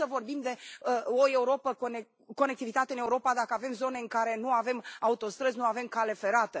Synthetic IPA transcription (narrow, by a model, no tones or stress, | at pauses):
əvo̞rbimd̪e̞əoe̞uɾo̞pəkon | ko̞nek̚t̪ivit̪at̪eɨneuɾo̞pad̪akəave̞mzo̞ne̞ɨŋkaɾe̞nuave̞maut̪o̞st̪ɾəznuave̞mkale̞fe̞ɾat̪ə